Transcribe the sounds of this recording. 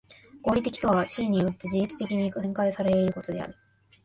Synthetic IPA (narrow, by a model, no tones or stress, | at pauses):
ɡo̞ːɾʲit̪e̞kʲi̥t̪o̞βat͡ɕiːɲ̟ːijo̞t̪ːe̞ʑiit͡sɨ̥t̪e̞kʲiɲ̟iẽ̞ŋkaisaɾe̞ɾɯ̟ko̞t̪o̞d̪e̞a̰ɾɯ̟